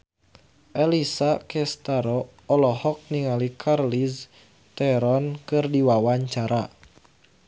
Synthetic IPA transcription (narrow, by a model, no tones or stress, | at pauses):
ʔɛlisakɛst̪aɾɔ | ɔlɔhɔk̚niŋalikʰarlis | t̪ɛɾɔnkɨrdiwawaɲt͡ʃaɾa